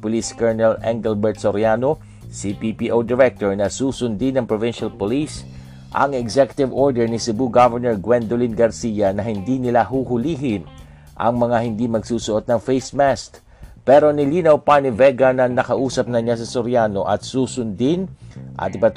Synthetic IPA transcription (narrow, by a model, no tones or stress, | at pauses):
pʊliskɛɹnɛlɛŋɡɛlbɛɹt̪̚soɾjaːno | sipipiʔowd̪ɛɹɛk̚t̪oɹnɐsuːsʊnd̪inɐŋpɹovɪnʃɐlpolis | ʔɐ̰ŋɛɡsɛkjʊ̥t̪ɪvʔoɹd̪ɛɹnɪsɪbuɡavɛɹnɛɹɡwɛnd̪olinɡɐɾsijɐnɐɦɪnd̪inɪlaɦuːhʊliːɦɪn | ʔɐ̰ŋmɐŋahɪnd̪imɐɡsuːsʊʔot̪̚nɐŋfejsmɛst̪ | pɛɾo̞nɪliːnɐwpanɪvɛɡɐnɐnɐkɐʔuːsɐp̚nɐɲas̬ɐsoɾjanoʔɐt̪̚suːsʊnd̪ɪnʔɐ̰t̪ɪpɐt̪